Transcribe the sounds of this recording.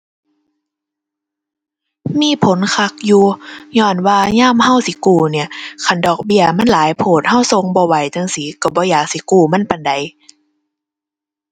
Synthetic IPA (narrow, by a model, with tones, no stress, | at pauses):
miː˧˥˨pʰo˨˦nkʰa˧˩k̚juː˧˦ɲɔː˧˩nwaː˧ɲaː˥˨mha˧˥˨wsi˨˦kuː˧˩ni˧˩ɐkʰa˧˩˨ndɔː˨˩k̚bi˧˩˨əma˧˥˨nlaː˨˦jpʰoː˧˩t̪̚ha˧˥˩wso˧˨ŋbɔː˧˦wa˨˦jt̪a˧˥˨ŋsiː˨˦ka˧˩bɔː˧˦jaː˨˩k̚si˧˦kuː˧˩ma˧˥˨npa˨nda˨˦j